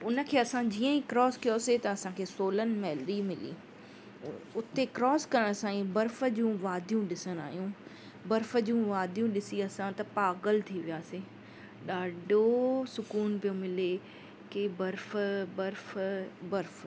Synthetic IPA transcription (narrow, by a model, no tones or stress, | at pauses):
ʊnə̆kʰeːɐsãd͡ʑiːə̃ĩkɾɔːskijoset̪ɐɐsãkʰeːsoːlənɪ̆mɛːld̪imɪlḭː | ʊt̪ekɾɔːskɐɾəɽ̃sãːĩbɐɾfə̆d͡ʑũʋaːd̪ʱijũɗɪsəña̰ːɦijũ | bɐɾfəd͡ʑũʋaːd̪ʱijũɗɪsiɐsãt̪ɐpaːɡəlt̪ʰiʋijaːsiː | ɗaːɖʱosʊkuːnpijomɪle | kebɐɾfbɐɾfbɐɾf